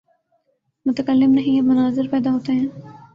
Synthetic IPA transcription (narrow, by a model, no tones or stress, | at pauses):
mʊt̪əkəlːɪmnɐɦĩemʊnaːzɪɾpɛːd̪aɦoːt̪eɦɛ̃ː